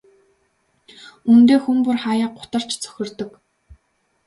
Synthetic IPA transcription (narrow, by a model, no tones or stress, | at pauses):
unt̪eːxumpʊrχajaːɢʊ̥t̪ə̆r̥t͡ɕt͡sʰœ̥xʲɪ̆rt̪ɵ̆k